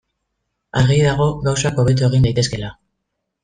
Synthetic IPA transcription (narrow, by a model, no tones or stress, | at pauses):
aɾɣeðaɣ̞o̞ɣawsako̞β̞e̞t̪̬ue̞ɣ̞ind̪ajt̪e̞ske̞la